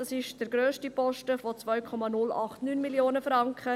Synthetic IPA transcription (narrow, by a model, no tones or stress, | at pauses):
d̥ɑsɪʃd̥əɾɡɾøːʃtipɔʃtəfot͡svœɥkʰɔmɑnʊlɑ̰χtnyːnmiljoːnəfɾɑŋkχə